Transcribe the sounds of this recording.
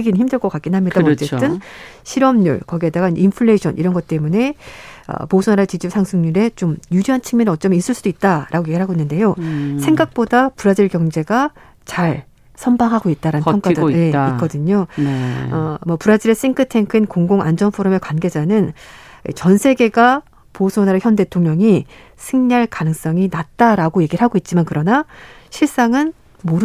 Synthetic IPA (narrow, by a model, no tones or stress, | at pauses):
ɡiniɭçimdɯɭk͈ʌk͈ak͈inɦamɲidamt͡ɕ͈eɯnɕʰiɾʌmɲṵɭkʌɡiɦe̞daɡainpʰɯɭːeiɕʰʌ̰nʔiɾʌnɡʌt̚t͈e̞mune̞ʌ̰posʰunaɾat͡ɕid͡ʑipsʰaŋsʰuŋɲiɾe̞t͡ɕomjud͡ʑiɦant͡ɕʰiŋminɯʌt͡ɕ͈ʌmis͈ɯɭs͈ud̥oit̚t͈aɾʔaɡoje̞ɡiɭɦaɡoinːɯnde̞josʰe̞ŋɡak̚p͈odapuɾad͡ʑiɭkjʌŋd͡ʑe̞ɡa | t͡ɕaɭ | sʰʌmbaŋɦaɡoit̚t͈aɾanɯnjʌŋk͈adɯje̞ik͈ʌdɯɲo | ʌmʌpuɾad͡ʑiɾes͈iŋkʰɯtʰeŋkʰinkoŋɡoŋa̰nd͡ʑʌnpʰoɾome̞kwanɡe̞d͡ʑanɯn | ḭt͡ɕʌnsʰe̞ɡe̞ɡa | posʰonaɾeçjʌnde̞tʰoŋɲʌŋi | sʰɯŋɲaɭkanɯŋs͈ʌŋinat̚t͈aɾaɡoje̞ɡiɾɭɦaɡoit̚t͡ɕ͈imankɯɾʌna | ɕʰiɭs͈aŋɯn | moɾ